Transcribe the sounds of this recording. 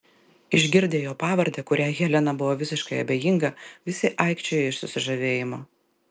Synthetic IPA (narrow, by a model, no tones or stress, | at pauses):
ɪʒʲɡʲɪɾʲd̪ʲeːjoːpɑːʋɐɾʲd̪ʲɛkʊɾʲæːɣʲɛlʲɛnɐbʊʋoːʋʲɪsʲɪʃkɐɪɐ̰bʲeːjɪŋɡɐʋʲɪsʲɪʔɐˑɪkʃʲt͡ʃʲɛjɪʃsʊsʲɪʒɐʋʲeːjɪmoː